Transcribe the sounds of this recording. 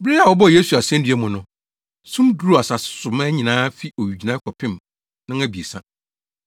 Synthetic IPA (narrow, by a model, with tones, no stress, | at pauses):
bɾi˦a˨wɔ˦bɔ˦˨je˦su˨a˨sɛ̃˦n˦dy˨˦ɛ˦mʊ̃˨nʊ̃˨ | sʊ̃˦mdu˦ɾu˦a˨sa˨ssʊ˨ma˦ɲĩ˨nãː˦fi˦ʔo˨ɥu˨d͡ʑi˨nã˦kʷʰɔ˨pʰɪ̃˦m | nã˦a˦bi˨e˨sã˦